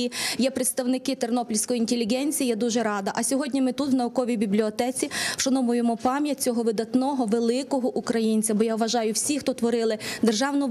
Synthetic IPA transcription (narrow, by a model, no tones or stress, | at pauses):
ijɛpɾet̪st̪ɐwnɪkɪt̪ernɔplʲsʲkɔjiinʲt̪ʲelʲːiɦɛnʲt͡sʲijijad̪uʒɛɾɑd̪ɐʔɐsʲɔɦɔdʲnʲimɪt̪ut̪wnɐʊkɔʋʲijbʲiblʲiɔt̪ɛt͡sʲiʃɐnɔmʊjɪmɔpɑmʲjɐt͡sʲɔɦɔʋɪd̪ɐt̪nɔɦɔʋelˠɪkɔɦɔʔukɾɐjinʲt͡sʲɐbɔjaʋʋɐʒɑjʊwsʲixt̪ɔt̪ʋɔɾɪlˠɪd̪erʒɑwnʊ